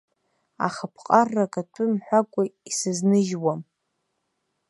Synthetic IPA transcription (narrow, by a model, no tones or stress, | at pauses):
a̰χapʰqʼarːakʼatʰʊmħʷᶣakʷʼaisɨznɨʒwam